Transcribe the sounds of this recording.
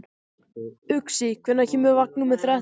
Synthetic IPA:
ʏksikʰvɛnacɛːmɛvak̚nʏmɛðθɾɛ

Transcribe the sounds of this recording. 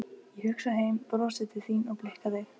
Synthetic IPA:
ihʏksaɦeːjmpɾɔsɪt̪ʰɪθiːnɔɣplɪhkaðɪ

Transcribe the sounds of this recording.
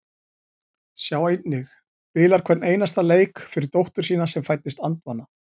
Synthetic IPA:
sjawejt̪nɪx | pɪːlaɾ̥kʰvɛt̪nejnast̪aleːjkfɪɾɪɾt̪owht̪ʏɾ̥s̬iːnasɛmfajt̪ːɪst̪ant̪vanːa

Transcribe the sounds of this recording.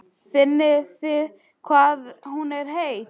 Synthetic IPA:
fɪnːɪθɪð | kʰvaːðhunɛɾ̥heːjt̪

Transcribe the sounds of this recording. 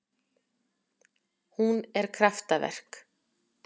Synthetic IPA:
hunɛɾ̥kʰɾaft̪avɛ̰r̥k

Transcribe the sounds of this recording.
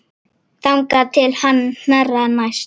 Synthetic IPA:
t̪amkat̪ʰelhannaɾanaʃ

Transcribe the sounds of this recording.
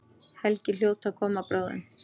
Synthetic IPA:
hɛlcɪl̥joːwt̪akʰɔːmapɾoːwðɪ̰n

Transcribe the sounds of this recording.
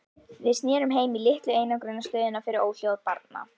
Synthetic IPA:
vɪðstnjɛːɾʏmɦeːjmilɪht̪lʏeːjnakɾʏnːaslœːɥðɪnafɪɾɪɾoːwl̥jowaðpaɾt̪na̰

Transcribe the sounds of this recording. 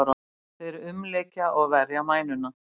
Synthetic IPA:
ɾa | θɛɾɪʏmleːcaʔɔɣvɛɾjamaːjnʏna

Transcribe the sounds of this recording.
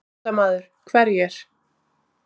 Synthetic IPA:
amaːðʏɾ̥kʰvɛɾjɛɾ̥

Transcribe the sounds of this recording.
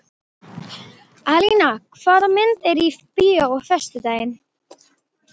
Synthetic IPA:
alinakʰvaːðamɪnt̪ɛɾipiːaɔɣfɛst̪ʏt̪aːjɪn

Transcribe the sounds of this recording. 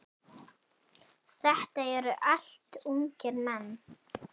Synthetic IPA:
θɛht̪aɛɾʏʔal̥t̪umcɪɾmɛnː

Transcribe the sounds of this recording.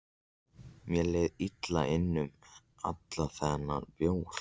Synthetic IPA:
mjɛleːjðit̪la̰ʔɪnːʏm | at̪laθɛnːa̰ɾpjoːwɾ̥

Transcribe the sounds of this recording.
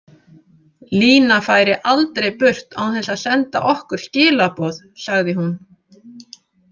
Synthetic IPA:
liːnafaːjɾɪʔalt̪ɾejpʏr̥t̪a̰wθɛsaðsɛnt̪a̰ʔɔhkʏɾ̥scɪːlapɔːð | saɣðɪɦun

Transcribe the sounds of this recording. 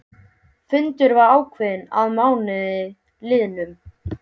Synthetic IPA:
fʏnt̪ʏɾvaɾaːwkʰvɛðnaðmaːwnɪðɪ | lɪːðnʏm

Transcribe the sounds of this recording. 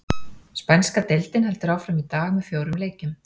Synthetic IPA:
spɛnskat̪ejlt̪ɪnhɛlt̪ʏɾaːwfɾamit̪aːɣmɛðfjoːwɾʏmleːjcʏm

